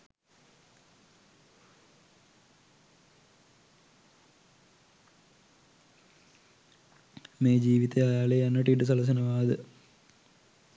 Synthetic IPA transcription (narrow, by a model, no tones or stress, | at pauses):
meːd͡ʑiːʋit̪eajaːlejanːɐʈːiʈːɨs̬ɐlɐs̬ɐnɐʋaːd̪ə